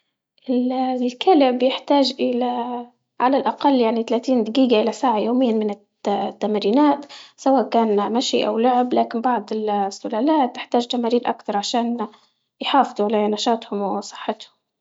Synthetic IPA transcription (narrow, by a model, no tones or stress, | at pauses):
ʔɪllkalɪbjɪħt̪aːʒʔɪla | ʕalalʔaqɑlːjaʕnit̪alaːt̪iːnd̪ɪɡiːɡaʔɪlasaːʕajoːmɪjːanmɪnɪ | t̪ːamɾiːnaːt̪sawaːʔkaːnmaʃiʔa̰wlʊʕblaːkɪnbɑʕd̪ˤɪlsːʊlaːlaːt̪̚ːɪħt̪aːʒt̪amaːɾiːɾʔa̰kt̪ɑɾˤʕaʃaːn | jħɑːfd̪ˤuʕalanaʃɑːt̪hʊmwɪsˤɨ̥ħːɪt̪hʊm